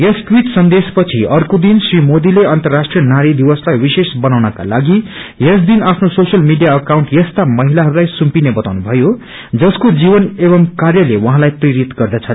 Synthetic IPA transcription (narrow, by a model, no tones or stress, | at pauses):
jesʈwiʈsʌnd̪espʌt͡sʰiʌrkod̪insrimod̪ileʌnt̪ʌrːasʈrijʌnaɾid̪ibʌslajwisesbʌnawnʌka̰laɡijesd̪inapʰnososjʌlmiɖijaʌkawɳʈjʌst̪amʌɦilaɦʌɾulajsumpinebʌt̪awnubʱʌjo | d͡zʌskod͡zibʌnebʌmkarjʌlewʌɦãlajpriɾit̪ɡʌrd̪at͡sʰʌ